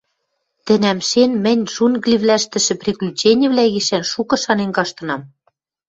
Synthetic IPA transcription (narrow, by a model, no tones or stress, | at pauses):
t̪ɘ̆næmʃenmɘ̆nʲʒunɣlʲiβlʲæʃt̪ɘ̆ʃɘ̆prʲeklʲyt͡ɕenʲɘ̆βlæɣiʃænʃukɤ̆ʃɑnenkɑʃt̪ɤ̆nɑm